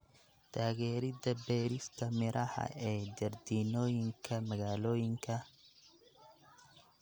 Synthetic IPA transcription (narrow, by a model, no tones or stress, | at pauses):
t̪ʰaːɣɛːɾɪdɐbɛːɾɪst̪ʰɐmɪɾʔɐhɐ̰ɛːd͡ʒɐrd̪iːnɔːjɪŋkʰɐmɐɣaːlɔːjɪŋkʰɐ